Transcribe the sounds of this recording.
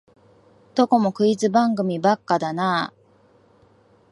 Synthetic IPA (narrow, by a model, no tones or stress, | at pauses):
d̪̥o̞ko̞mo̞kɯ̟izɨbãŋɡɯ̟mʲibakːad̪anaː